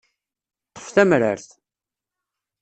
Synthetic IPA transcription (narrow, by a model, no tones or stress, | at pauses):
t̪ˤːə̥fθæmɾə̰ɾθ